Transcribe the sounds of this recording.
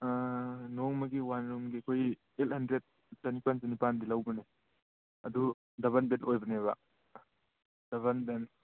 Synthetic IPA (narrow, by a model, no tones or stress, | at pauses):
noŋmɐɡiwanɾumɡiɐkʰoj | elhɐndɾed̚ | tɐnipanzɐnipandilɐwbɐne | ɐdu | dɐβɐnbenojbɐneβɐ̰ | d̥ɐβɐnben